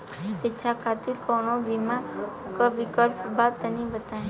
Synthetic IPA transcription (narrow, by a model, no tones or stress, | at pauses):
ɪːt͡ʃʰakʰat̪iɾkɔɳobimã | kəʋikəlpbat̪ənibət̪a